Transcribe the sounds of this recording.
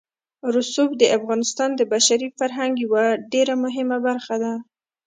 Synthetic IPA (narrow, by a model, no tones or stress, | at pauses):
ɾʊsubd̪əafɣɑnɪst̪ɑnd̪əbaʃaɾifaɾɦaŋɡjawaɖeɾamʊɦɪmabaɾxad̪a